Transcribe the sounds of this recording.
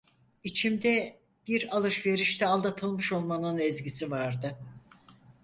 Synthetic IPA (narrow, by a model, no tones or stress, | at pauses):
it͡ʃʰimd̪ɛ | b̥iɾalˠɯʃve̞ɾiʃt̪ʰɛalˠd̪at̪ʰɯlˠmɯʃo̞lˠmanɯnɛzɟisivaɾd̪ɯ